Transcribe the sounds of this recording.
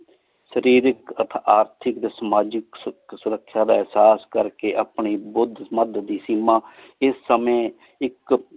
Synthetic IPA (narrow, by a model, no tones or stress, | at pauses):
səɾiːɾɪkət̪ʰaaːɾt̪ʰɪkd̪eːsəmaːd͡ʒɪksʊɾəkʰːʃaːd̪aːɪɦsaːskəɾkeːʔaːpɳiːbʊd̪ʱməd̪d̪iːsiːmãː | ɪsːəmẽː | ɪk